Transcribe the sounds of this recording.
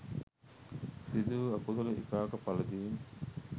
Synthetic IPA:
sid̪uːɐkut̪ɐluḭkaːkɐpɐlɐd̪iːn

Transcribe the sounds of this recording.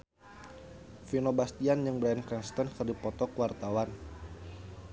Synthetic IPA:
finobast̪iand͡ʒɨŋbɾaɛnkɛnst̪ənkɨrdipɔt̪ɔkwart̪awan

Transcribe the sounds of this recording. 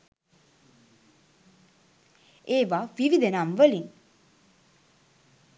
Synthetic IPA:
eːʋaːʋiʋid̪enamʋəliŋ

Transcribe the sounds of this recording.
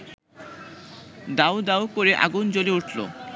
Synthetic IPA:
d̪awd̪awkoɾeʔa̰ɡund͡ʑoliuʈʰlo̰

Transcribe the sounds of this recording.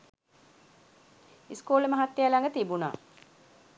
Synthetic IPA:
iskuːləmɐɦat̪ːejalaŋɡət̪ibuna̰ː

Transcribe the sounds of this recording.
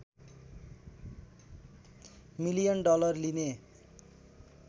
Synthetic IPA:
milijʌnɖɔlʌrline

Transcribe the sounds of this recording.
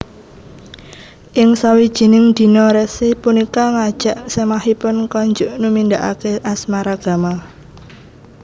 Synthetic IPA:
ʔɪŋsawid̥ʒ̥i̤nɪŋd̪̥i̤nɔɾɛsipunikaŋad̥ʒ̥a̤ʔsemahipʊnkɔɲd͡ʒʊʔnumind̪aʔa̰keʔasmaɾaɡ̥a̤ma

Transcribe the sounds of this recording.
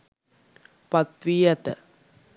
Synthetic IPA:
pɐt̪ʋiːjɐt̪ə̰

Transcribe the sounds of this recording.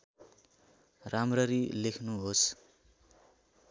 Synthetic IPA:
ramrʌɾilekʰnuɦos

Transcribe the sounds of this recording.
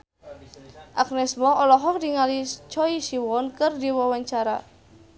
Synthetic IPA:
ʔak̚nɛsmɔʔɔlɔɦɔk̚diŋalit͡ʃɔiʃiwɔnkɨrdiwɔwaɲt͡ʃaɾa̰

